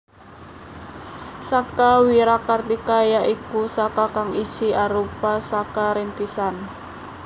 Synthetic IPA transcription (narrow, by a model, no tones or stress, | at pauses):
sakawiɾakart̪ikajaʔikusakakaŋisiaɾupasakaɾent̪isan